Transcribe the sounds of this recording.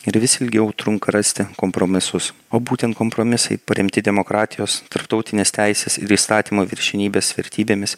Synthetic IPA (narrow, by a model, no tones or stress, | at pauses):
ɪɾʋʲɪsʲɪlʲɡʲɛʊt̪ɾʊŋkɐɾɐsʲt̪ʲɪkompɾoːmʲɪsʊs | oːbuːt̪ʲɛnt̪koːmpɾoːmʲɪsɐɪpɐɾʲɪmʲt̪ʲɪd̪ʲɛmoːkɾɑːt̪ʲɪjoːst̪ɐɾpt̪ɒʊt̪ʲɪnʲeːst̪ʲæɪsʲesɪ̰ɾiːst̪ɑːt̪ʲiːmoːʋʲɪɾʲʃʲɛnʲiːbʲeːsʋʲɛ̰ɾʲt̪ʲiːbʲeːmʲɪs